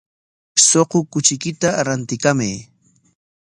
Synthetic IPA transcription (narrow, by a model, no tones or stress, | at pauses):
soqokʊt͡ʃɪkɪt̪aɾant̪ɪkamaj